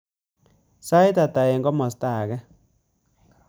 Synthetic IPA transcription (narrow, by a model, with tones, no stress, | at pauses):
sa˦jt̪a˨t̪a˨e˨ŋɡɔ˦mɔ˨st̪a˦˨ɣɛ˦